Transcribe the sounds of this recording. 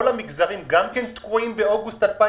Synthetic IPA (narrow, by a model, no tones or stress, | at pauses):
olamikzaʁimɡamkent̪kʁuimbeoɡust̪alpa